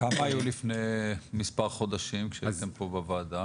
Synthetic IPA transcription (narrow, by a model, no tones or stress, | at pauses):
kamaajulifnejmispaʁχo̞d̪aʃimkʃet̪empobevaːd̪a